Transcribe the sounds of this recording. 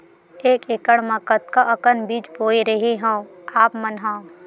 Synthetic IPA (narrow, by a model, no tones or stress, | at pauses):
eːkekəɽ̃mɐ̃kət̪̚kaʔɐkənbiːt͡ʃboːiɾəɦeɦã | aːpmənɦãː